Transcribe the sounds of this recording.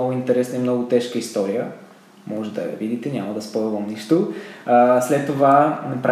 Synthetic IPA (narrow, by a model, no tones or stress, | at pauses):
ɔɡʊint̪ɛɾɛsnəimnɔɡʊt̪ɛʃkəist̪ɔɾijə | mɔʒɛd̪ɐ̰vid̪it̪ɛnʲamɐd̪ɐspoɛvəmniʃt̪oəslɛt̪ːovanɐpɾa